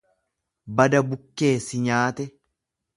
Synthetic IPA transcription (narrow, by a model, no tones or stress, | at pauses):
bɐd̪ɐbʊkːe̞ːsɪɲaːt̪ɛ